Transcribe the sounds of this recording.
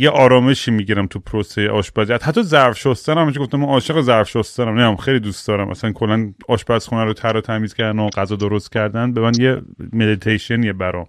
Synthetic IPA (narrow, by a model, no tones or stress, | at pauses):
jeʔɒːɾɒːme̞ʃiːmiɟiɾæmt̪ʰupʰɾosejeʔɒːʃbæziæt̪hæt̪ʰːɒzæɾfʃost̪æɾæmhæmiʃiɡoft̪æmænɒːʃeɣezæɾfʃost̪æɾæmnæjæmxejlid̪ustd̪̥ɒːɾæmʔæ̰sænkʰo̞lːænɒːʃbæsxunæɾot̪ʰæɾɒːt̪ʰæmiːz̥cʰæɾd̪noɢæzɒːd̪oɾost̪cʰæɾd̪æn̚bemænd̪jemed̪it̪ʰejʃienijebæɾɒ̰m